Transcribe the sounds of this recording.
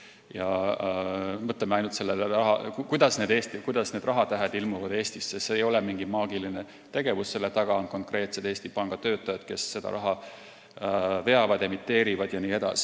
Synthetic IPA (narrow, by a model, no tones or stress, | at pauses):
jɑ | mɤt̪lemeɑjnult̪selːeɑɦɑ̰kukujd̪̥ɑsne̞d̪̥e̞ːst̪ikujd̪̥ɑsne̞d̪rɑɦɑt̪æɦæd̪ilmuvɑd̪e̞ːst̪isːetseːjo̞lɛmiŋɡimɑːɡiline | t̪e̞ɡ̥e̞vusse̞lːet̪ɑɡ̥ɑo̞nko̞ŋkre̞ːt̪se̞d̪eːsʲt̪ipɑŋɡ̥ɑt̪ø̞ːt̪ːˑɑjɑd̪̥ke̞sːe̞d̪̥ɑ̰ɾɑɦɑ | ve̞ɑvɑd̪emit̪ːe̞ːɾivɑd̪̥jɑniːe̞d̪̥ɑsi̥